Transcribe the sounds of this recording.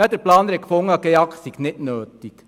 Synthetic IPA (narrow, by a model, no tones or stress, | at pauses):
ɑd̪əɾplɑːnɾɛkfoŋɑɡ̥eɑktsiɡ̥nɪtnøːt̪ik